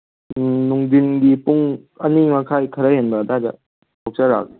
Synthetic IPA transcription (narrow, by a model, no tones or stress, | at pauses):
nuŋdinɡipuŋ | ɐnimɐkʰajkʰɐɾajɦenbadada̰ | kʰok̚t͡ʃaɾa̰ɡ̚